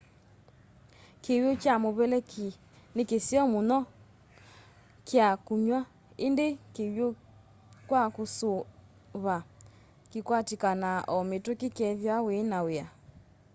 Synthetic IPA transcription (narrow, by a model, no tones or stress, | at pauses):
kewjokjamoβɛlɛkʰi | nekesiɔmonɔ | kjakuɲwa | endekewjo | kwakoso | βa | kekwatikanaʔɔmetokekɛðjawenawea